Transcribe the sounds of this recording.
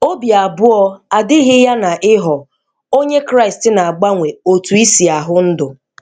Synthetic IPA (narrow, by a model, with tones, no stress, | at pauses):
o˦bi˨a˨bʊ˦ɔ˦a˨dɪ˦ɦɪ˦ja˦na˨ʔɪ˦ɦɔ˨ | o˦ɲe˦kɾa˦ɪ˨stɪ˦na˨a˨ɡ͡ba˦ŋʷe˨o˨tu˨i˦si˨a˨ɦʊ˦n̩˦dʊ˨